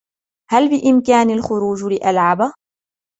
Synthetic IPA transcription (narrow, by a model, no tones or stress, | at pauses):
halbɪʔɪmkaːnalxʊɾuːd͡ʒlɪʔalʕaba